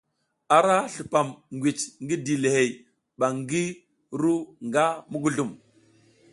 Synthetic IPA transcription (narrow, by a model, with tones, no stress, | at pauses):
a˨ɾa˦ɬu˨pa˨mŋɡʷi˨t͡ʃŋɡi˦di˨le˨he˨j | ɓa˨ŋɡi˦ | ɾu˦ŋɡa˦mu˦ɡu˨ɮu˨m